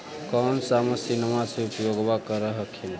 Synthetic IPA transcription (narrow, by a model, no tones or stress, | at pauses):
kɔnsaməsinmaseupjoɡbakəɾəɦəkʰin